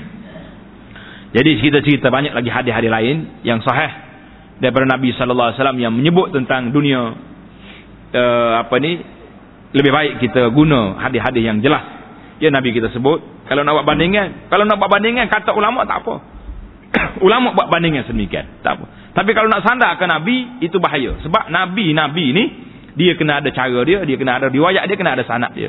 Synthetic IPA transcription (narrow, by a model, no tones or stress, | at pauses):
d͡ʒadit͡ʃəɾit̪at͡ʃəɾit̪abaɲak̚laɡiɦadɪɦadilaɪnjaŋsɔɦɛh | daɾipadanabisɔləlːawasalamjaŋməɲəbʊt̪̚ːənt̪aŋdunia | əapəni | ləbɪhbaɪʔkit̪aɡunəhadɪɦadɪhjaŋd͡ʒəlas | janabikit̪asəbʊt̪̚kalanaʔbaʔbandiŋankalawnaʔbaʔbandɪŋankat̪oʔulamɔʔt̪a̰ʔpə̰ | ulamɔʔbaʔbandɪŋansədəmikia̰nt̪a̰pə̰ | t̪ap̬ikalanaʔsandaɦkənabiːt̪ubaɦajə̰səbap̚nabinabini | diəkənəadat͡ʃaɾədiədiəkənaadaɾiwaja̰ʔdiəkənaadasa̰na̰ʔdḭə̰